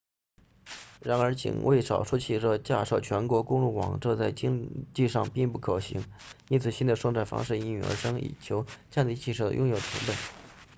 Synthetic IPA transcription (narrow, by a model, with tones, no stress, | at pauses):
ɻa˧˥nə˞˧˥t͡ɕʰḭ˨˩ŋwʔe˥˩ɪʂɑ˨˩ʊʂu˥t͡ɕʰi˥˧ʂɤ˥˩t͡ɕja̰˥˧ʂo˥˩ʊt͡ɕʰɥɛ˧˥nkwɔ˧˥kʊ˥ŋlu˥˩wɑ̰˨˩ŋʈ͡ʂɤ˥˧t͡sa˥˩ɪt͡ɕi˥ŋt͡ɕi˥˧ʂɑ˥˧ŋpi˥˧ŋpu˥˩kʰɤ˨˩ɕḭ˧˥ŋi˥nt͡sʰɹ̩˨˩ɕi˥nd̪ə˧˩ʂwɤ˥˧ŋt͡sa˥˩ɪfɑ̰˥ŋʂɻ̩˥˩i˥ny̰˨˩ə̰˞˧˥ʂɤ˥ŋḭ˨˩t͡ɕʰjo˧˥ʊt͡ɕja˥˧nt̪i˧t͡ɕʰi˥˧ʂɤ˥˩d̪ə̰˧jʔʊ˥˧ŋjo˨˩ʊt̪ʰʊ̰˧˥pə˥˩n